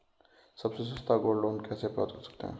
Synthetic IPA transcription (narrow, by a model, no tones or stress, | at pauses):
səbses̬ə̃st̪aɡoɽloːnkɛːsepɔ̰t̪osə̥k̚t̪ḛɦɛ̰̃